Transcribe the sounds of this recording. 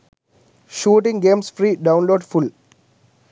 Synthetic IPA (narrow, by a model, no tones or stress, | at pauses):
ʃuːʈɪ̃ŋɡẽːmsfɾiːɖãʊ̃nloːɖfʊl